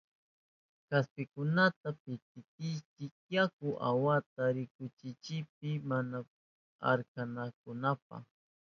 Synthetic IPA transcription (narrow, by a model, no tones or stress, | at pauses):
kaspɪkʊnat̪apɪt̪̚ɪt̪ɪjt͡ʃɪk̚jakʊʔa̰wat̪aɾɪkʊt͡ʃɪt͡ʃɪp̚ɪmana | a̰ɾkanakʊnap̚a̰χ